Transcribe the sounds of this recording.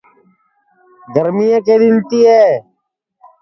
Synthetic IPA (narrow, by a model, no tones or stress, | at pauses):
ɡ̪əɾmijẽːkeːd̪ɪnt̪iːeː